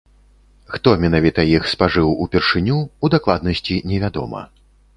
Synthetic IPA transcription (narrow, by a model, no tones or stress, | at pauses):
xt̪ɔmʲɛnavʲit̪ɐjixspaʐɨwupʲɛrʂɨnʲuːd̪aklˠad̪nɐsʲt͡sʲinʲɛvʲad̪ɔ̰mɐ̰